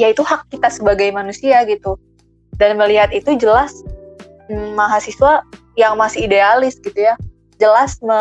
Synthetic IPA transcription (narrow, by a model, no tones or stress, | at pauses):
jait̪uhakːit̪asəbaɡajmanusiaɡit̪u | danməliɦat̪it̪ud͡ʒəlas | aɦasiswa | jaŋmasɪidealɪsɡit̪uja | d͡ʒəlasmə